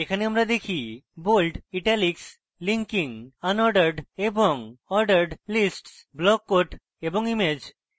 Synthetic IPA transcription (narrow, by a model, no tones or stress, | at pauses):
ekʰaneamɾad̪ekʰibolɖiʈaliks | liŋkiŋanɔɾɖeɾɖeboŋɔɾɖəɾɖlisʈsblɔkːoʈ | eboŋimed͡ʑ